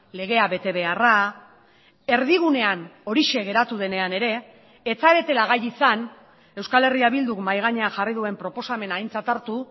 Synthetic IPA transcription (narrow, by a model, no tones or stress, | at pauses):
le̞ɣ̞e̞aβe̞t̪e̞βe̞ara | e̞ɾðiɣ̞une̞ano̞ɾiʃe̞ɣ̞e̞ɾat̪uð̞e̞ne̞ane̞ɾe̞ː | t͡saβe̞t̪e̞laɣ̞ajisan | e̞wskale̞riaβild̪ukmajɣ̞aɲe̞aʝarið̞ue̞mpɾo̞po̞same̞naint͡sat̪aɾt̪u